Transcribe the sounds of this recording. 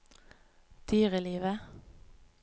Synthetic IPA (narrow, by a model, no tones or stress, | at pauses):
d̪̥yːʁɪliːʋə